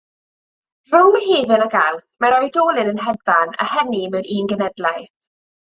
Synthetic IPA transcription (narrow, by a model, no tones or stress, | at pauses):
rʊwheːvɨlaɡawθmaɾɔjdoːlˠɪnənɦɛðana̰hɛnimɛɾʔiːnɡənɛdlˠajθ